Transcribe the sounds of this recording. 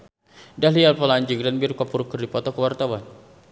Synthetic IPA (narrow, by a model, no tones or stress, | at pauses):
daɦlialpəlaɲd͡ʒuŋdanbirkapuɾukərdipɔt̪ɔkəwart̪awan